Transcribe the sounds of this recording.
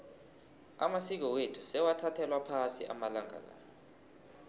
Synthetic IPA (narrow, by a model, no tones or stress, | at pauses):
a̰masik̬ɔwetʰusɛwatʰatʰɛlwapʰasḭʔa̰malaŋa̰la̰ːnɔ